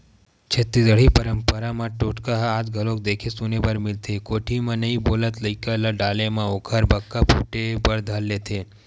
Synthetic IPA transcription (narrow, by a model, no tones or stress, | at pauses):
t͡ʃʰet̪ːid̪əɽ̤ipəɾəmpəɾamãʈoʈkaɦad͡ʒɡʱəlok̚d̪eːkʰesunebəɾmɪlt̪ʰekoːʈʰimãnɐĩboːlət̪ləikələɖaːlemãoːkʰəɾbɐkːapʰuːʈebəɽd̪ʱəlːet̪ʰe